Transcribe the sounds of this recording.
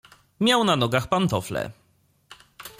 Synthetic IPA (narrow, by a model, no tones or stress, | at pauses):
mʲjawnanɔɡaxpant̪ɔflɛ̰